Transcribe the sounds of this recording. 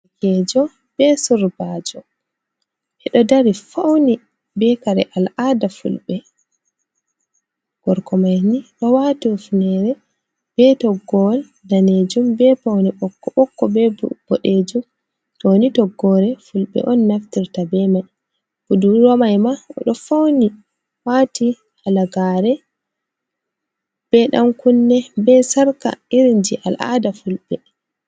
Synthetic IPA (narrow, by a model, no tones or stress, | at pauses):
kɛd͡ʒɔ | b̥ɛsuɾbaːd͡ʒɔ | ʔɛɗɔdaɾifawni | bɛkaɾɛ̰ʔalʔadafṵlɓɛ | ɡ̥ɔɾkɔmajniɗɔwatiufnɛɾɛ | b̥ɛtɔɡːɔl | daned͡ʒumbɛpawniɓɔkːɔɓɔkːɔbɛb̥ɔɗed͡ʒum | tonitɔɡːɔɾɛfulɓɛ̰ʔɔnːaftiɾtabɛmaj | ʔuduɾɔmajmaɔ̰ɗɔfawni | wati | ʔalaɡaːɾɛ | b̥ɛɗa̰mkunːɛbɛsaɾka̰iɾind͡ʒiʔalʔa̰dafulɓɛ